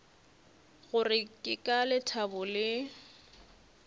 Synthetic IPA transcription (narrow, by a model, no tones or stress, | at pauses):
ɣʊrɪkʼɪkʼalɪtʰabʊlɪ